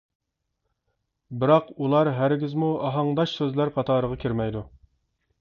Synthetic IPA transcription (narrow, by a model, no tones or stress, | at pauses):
bɪɾɑqulˠɑɾɦæɾɡʲizmuɑɦɑŋd̪ɑʃsøzlæɾqʰɑt̪ʰɑːɾəʁɑkʲʰiɾmɛjd̪u